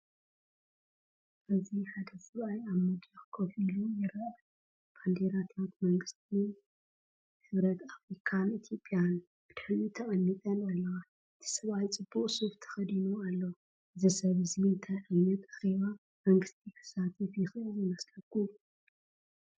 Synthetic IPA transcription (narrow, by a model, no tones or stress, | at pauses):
ʔɨziħad̪ɐsɐβajaβmɨd̪jaxɨ̥kʰofilujɪɾɐʔ | b̥and̪eɾat̪ʰat̪mɐŋɡɨst̪ʰi | hɨβɾɐt̪afɾikʰanit̪ʰjo̞pʼjan | b̥ɨd̪̥ɨħlut̪ʰɐkʼɐnːit̪ʼɐnɐlːɐɣa | ɨt̪ʰi̥sɐβajt͡sʼɨbːuqʼsoft̪ʰɐ̥xɐd̪inualːo | ɨzisɐβɨzint̪ʰajʕɨnːɐt̪ʼḁxeβa | mɐŋɡɨst̪ʰikʰɨ̥sat̪ʰɨfjɪxɨɨljɪmɐslɐkːu